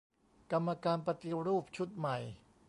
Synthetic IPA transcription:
ka˧mːa˧kaː˧npɾa˧t̪i˧ɾuː˥˩p̚t͡ɕʰu˦˥t̪̚ma˨˩j

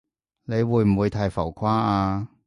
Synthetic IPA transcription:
ne˨˧jwuː˨˧jm̩˨˩wuː˨˧jt̪ʰaː˧jfɐ˨˩wkʰaː˥aː˧

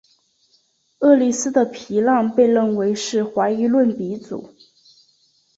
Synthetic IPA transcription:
ɤ˥˩li˥˩sɹ̩˥d̪ə˨pʰi˧˥lɑ˥˧ŋpe˥˧ɪɻə˥˩nwe˧˥ɪʂɻ̩˥˩xwa˧˥ɪi˧˥lwə˥˩npi˧˥t͡sṵ˨˩˦

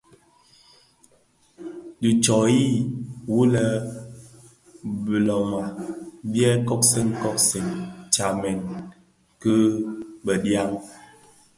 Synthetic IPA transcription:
di˨t͡ʃɔ˨ji˦˨wu˦lə˨ | bi˨lɔ˨ma˨bjɛ˦kɔ˦k̚si˦ŋkɔ˦k̚si˨ŋt͡ʃa˨mɛ˨n | kə˦bə˨dja˦ŋ

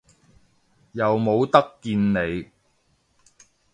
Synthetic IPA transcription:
jɐ˨wmo˨˧wt̪ɐ˥kːiː˧nne˨˧j

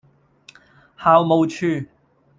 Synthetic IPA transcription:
haː˨˧wmo˨wt͡ʃʰyː˧

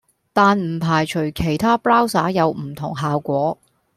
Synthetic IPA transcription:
t̪aː˨˧nm̩˨˩pʰaː˨˩jt͡ʃʰɵ˨˩ɥkʰe˨˩jt̪ʰaː˥plaː˥wsaː˨˥jɐ˨˧wm̩˨˩t̪ʰʊ̰˨˩ŋɦaː˨wkʷɔː˨˥

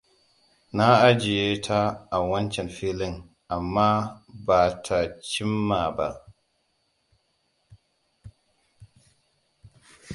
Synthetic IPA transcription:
na˦a˦d͡ʒi˨je˦tʰaː˦˨wa˦nt͡ʃɛ˨nfi˦li˦ŋ | a˨mːa˦ba˨tʰa˨t͡ʃi˦mːa˨ba̰˨

